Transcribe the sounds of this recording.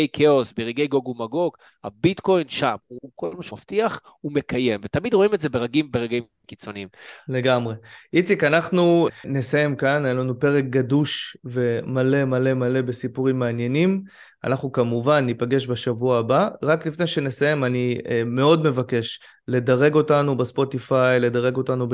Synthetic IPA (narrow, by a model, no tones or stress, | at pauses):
jkʰeosbeʁiɡejɡoɡumaɡo̞ɡ | ha̰bitko̞jnʃamukolmaʃaft̪iaχ | ume̞kʰaje̞mvet̪amid̪ʁoimetze̞beʁaɡimbeʁaɡim | kit͡so̞niimle̞ɡamʁe̞ʔit͡sikanaχnunesajemkanajelanupe̞ʁek̚ɡaduʃve̞male̞male̞male̞be̞sipuʁimːeanje̞nim | a̰naχnukamuvanːipaɡe̞ʃbeʃavuaːbaʁaklifnejʃe̞nesaje̞manime̞o̞dme̞vake̞ʃ | le̞daʁe̞ɡo̞tanubespo̞t̪ifajle̞d̪aʁe̞ɡo̞tanub